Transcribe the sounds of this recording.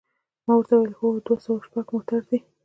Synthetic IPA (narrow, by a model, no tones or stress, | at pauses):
mawaɾt̪awjelxod̪wasawaʃpaɡmot̪aɾd̪i